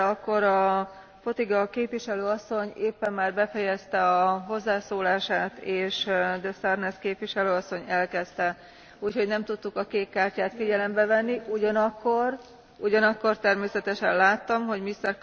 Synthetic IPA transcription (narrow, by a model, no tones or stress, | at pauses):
ɒkːo̞ɾɒ | po̞t̪iɡɒkeːpʋiʃɛløːɒsːo̞ɲeːpːɛmːaːrbɛfɛjɛst̪ɛɒɦo̞zːaːsoːlaːʃaːt̪eːʃd̪ɛst̪ɛrnɛskeːpʋiʃɛløːɒsːo̞ɲɛlkɛst̪ɛ | uːcho̞ɟnɛmt̪ut̪ːukɒkeːkkaːrcaːt̪fiɟɛlɛmbɛvɛnːiuɟɒnɒkːo̞r | uɟɒnɒkːo̞rt̪ɛrmeːsɛt̪ɛʃɛnlaːt̪ːɒmɦo̞ɟmist̪ɛr